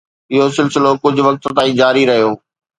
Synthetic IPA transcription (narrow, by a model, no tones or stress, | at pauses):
ɪɦosɪlsɪlokʊd͡ʑʱʊ̆ʋɐk̚t̪t̪aːĩd͡ʑaːɾiɾɐɦijoː